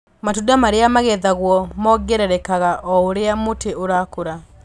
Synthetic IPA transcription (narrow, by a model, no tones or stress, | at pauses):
matudamaɾeamaɣɛðaɣwɔmɔɡɛɾɛɾɛkaɣaʔɔoɾeamoteoɾaːkoɾa